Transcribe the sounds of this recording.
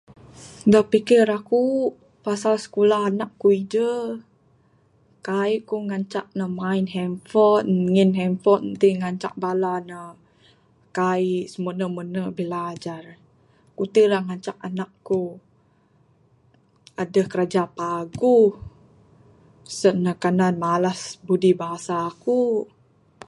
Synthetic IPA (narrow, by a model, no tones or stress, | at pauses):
dahpikiɾaku | pasalsə̥kulaɦanakːuid͡ʒə | kaikuŋaɲt͡ʃaʔ̚nəmainɦɛmfɔt̪̚ŋinɦɛmfɔt̪̚t̪iŋaɲt͡ʃa̰ʔ̚balanə | kaisəmənəmənəbilad͡ʒar | kut̪ilaŋaɲt͡ʃak̚anakːu | adəhkəɾad͡ʒapaɡu | səʔnəkananmalasbudibaɦasaːku